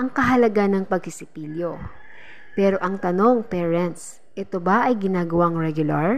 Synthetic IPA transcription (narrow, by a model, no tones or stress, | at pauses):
ʔɐŋkɐɦɐlɐɡanɐŋpɐɡ̚sɪsɪpiljo̞ | pɛːɾo̞ʔɐŋt̪ɐno̞ŋpɛːɹɛnt̪s | ʔɛt̪o̞bɐʔɐjɡɪnaːɡɐwaŋɹɛɡjʊlɐɹ